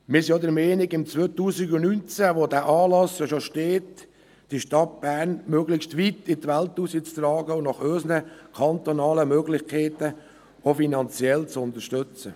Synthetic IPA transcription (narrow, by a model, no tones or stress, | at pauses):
mɪɾsijod̪əɾmɛːnɪɡɪmt͡sʋøːt̪uːsɪɡʊnynt͡sæʋodæːʔɑːlɑsjoʃoʃteːt | d̥iʃtɑt̚b̥æːɾnmøːɡlɪxstʋit̪ɪt̪ʋælt̪usit͡st̪ɾɑːɡəʊnɑχøːsənəkʰɑnt̪onɑːləmøːɡlɪxkʰɛɪt̪ə | ofinɑnt͡sjɛlt͡sʊnt̪əʃtʏt͡sə